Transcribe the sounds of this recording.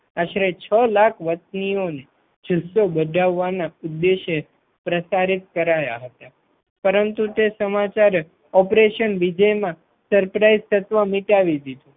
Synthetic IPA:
aʃɾet͡ʃʰəlakʰʋət̪̚nione | d͡ʒʱusobəɖʱaʋːanaud̪ːeʃe | pɾəsaɾit̪kəɾaja̰ɦət̪a | pəɾənt̪ut̪esəmat͡ʃaɾ | ɔpɾeʃənʋid͡ʒəjmã | səɾpɾaizt̪ət̪ʋəmiʈaʋid̪id̪u

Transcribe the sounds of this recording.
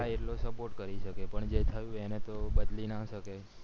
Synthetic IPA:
aeʈlosəpoɾʈkəɾiʃəkepəɳd͡ʒet̪ʰəjũenet̪obəd̪linaʃəke

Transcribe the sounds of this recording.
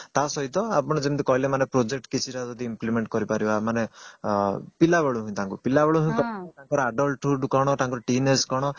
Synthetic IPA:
t̪asɔɦit̪ɔa̰pɔɽ̃ɔd͡ʒemt̪ikɔɦilemanepɾod͡ʒek̚ʈkit͡ʃʰiɾad͡ʒɔd̪iimplimeɳʈ̚kɔɾipaɾibamane | pilaβaɭuɦũj̃t̪aŋkupilabɔɭuɦũj̃kɔt̪aŋkɔɾɔaɖɔlʈuɖkɔɽ̃ɔt̪aŋkɔɾɔʈineskɔɽ̃ɔ

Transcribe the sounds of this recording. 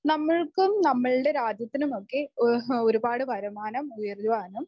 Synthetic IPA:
nɐmːɐɭkumnɐmːɐɭɨɽe̞ɾaːd͡ʑjɐt̪ːinumo̞kːe̞oɾubaːɽɨʋɐɾɐmaːnɐmujɐrjʋaːnɐm

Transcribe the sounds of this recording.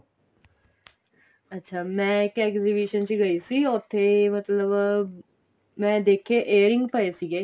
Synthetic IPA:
ətːɕʰamɛ̃kekzibiɕənt͡ɕiɡəjsiot̪ʰemət̪ləb | mɛ̃d̪ekʰeʔejəɾĩŋɡpəjsiɡe

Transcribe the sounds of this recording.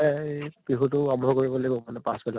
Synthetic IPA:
ɛb̥ɹiɦutʊabʱɔɔkoɹibɔlabɔmanɛpãsbɛla

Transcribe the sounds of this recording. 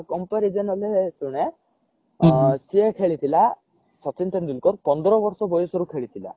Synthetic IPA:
kɔmpaɾid͡ʒɔnɔlesuɽ̃e | siekʰeɭit̪ʰila | sɔt͡ʃint̪ɔnd̪ulkɔɾpɔnd̪ɾɔbɔɾsɔbɔjɔsɔɾukʰeɭit̪ʰila̰

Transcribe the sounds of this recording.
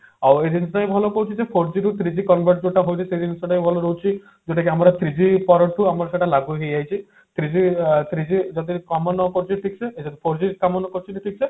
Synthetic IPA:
awed̪insɔʈaijbʱɔlɔkɔɦut͡ʃʰid͡ʒepʰoɾd͡ʒiɾut̪ʰɾid͡ʒikɔnbʱeɾʈ̚d͡ʒoʈaɦojt͡ʃʰised̪inisɔʈajbʱɔlɔɾoɦut͡ʃʰi | d͡ʒoʈakiamɔɾɔt̪ɾid͡ʒipɔɾɔʈuamɔɾɔseʈalaɡuɦejajt͡ʃʰi | t̪ʰɾid͡ʒit̪ɾid͡ʒid͡ʒɔd̪ikamɔnɔkɔɾt͡ʃʰiʈʰiksʰeed͡ʒɔd̪ipʰoɾd͡ʒiɾkamɔnɔkɔɾt͡ʃʰiʈiʈʰik̚sʰe

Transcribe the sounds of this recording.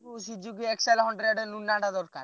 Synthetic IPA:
usid͡ʒukieksalɦɔɳɖɾeɖnunːaʈad̪ɔɾka̰ɾ

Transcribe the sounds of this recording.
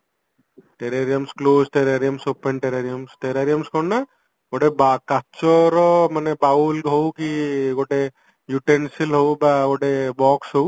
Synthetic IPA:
ʈeɾeɾiamsklosʈeɾaɾiamsopeɳʈeɾeɾiɔmsʈeɾaɾiamskɔnna | ɡoɖebakat͡ʃɔɾɔmanɛbaulɦowkiɡoʈe | juʈensilɦowbaɡoɖebɔksɦow

